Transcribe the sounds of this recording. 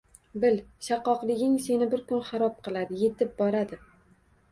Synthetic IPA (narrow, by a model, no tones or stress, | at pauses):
bɪlʃɑqːɒqlˠɪɡʲɪŋse̞nɪbɪɾkʊnχaɾɒp̚qʰɨlˠad̪ɪje̞t̪ʰɪp̚bɒɾad̪ɪ